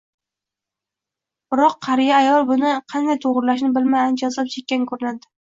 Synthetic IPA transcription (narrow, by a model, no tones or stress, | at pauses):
b̥ɪɾɒqʰːɑɾɪjaːjɒlˠbʊnɪqʰɑnd̪ajt̪ʰoʁɾlaʃnɪbɪlmajant͡ʃʰazap̚t͡ʃʰek̚ʲːankʰɵɾɪlad̪ɪ̥